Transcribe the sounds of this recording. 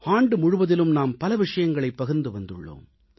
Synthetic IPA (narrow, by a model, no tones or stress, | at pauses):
aːɳɖɯmʊɻʊʋɐðɪlɯmnaːmpɐlɐʋɪʂɐjɐŋɡɐɭɐɪpːɐɣɯɾnd̪ɯʋɐnd̪ɯ̰ɭːo̰ːm